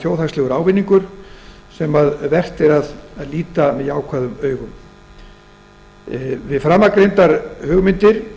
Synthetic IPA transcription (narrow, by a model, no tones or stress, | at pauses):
joːwθast̪lɛɣʏɾaːwvɪnːiŋkʏɾ̥sɛmaðvɛr̥t̪ɪɾaðaðliːt̪amɛðjaːwkʰvaːðʏmœːɥɣʏm | vɪðfɾamːakɾejnt̪aɾhʏːɣʏmɪnt̪ɪɾ̥